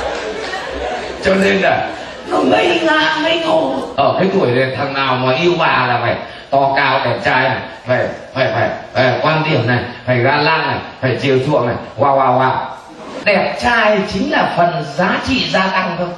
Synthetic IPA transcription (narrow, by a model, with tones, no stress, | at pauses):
t͡ɕɔ˧ne˧nlaː˨˩ | zu˨˧˩mə˧˦jŋaː˧˩mə˧˦jt̪o˧˩ʔəː˧˩kaː˨˦jt̪ʰu˧˩əjla˨˩t̪ʰa˨˩ŋnaː˨˩wmɔ˨˩jʔi˧əwvaː˨˩laː˨˩faː˧˩j | t̪ɔ˧kaː˨˦wɗɛ˨˧˩p̚t͡ɕaː˧jna˨˩j | faː˧˩jfaː˧˩jfaː˧˩ja˧˩jkwaː˧nɗ̪i˧˩əmna˨˩jfaː˧˩jɣaː˧laː˧nna˨˩jfaː˧˩jzi˨˩əwt̪ʰṵ˧˨əŋna˨˩jkwaː˧waː˧˩waː˧˩w | ɗɛ˨˩p̚t͡ɕaː˧jt͡ɕï˨˦ŋ̟laː˨˩fə˨˩nzaː˨˦t͡ɕḭ˧˨zaː˧t̪a˧ŋt̪ʰə˧